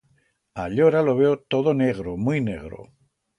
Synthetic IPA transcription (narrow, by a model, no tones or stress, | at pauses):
aʎoɾalo̞β̞eot̪o̞ðone̞ɣɾomuinḛɣɾo̰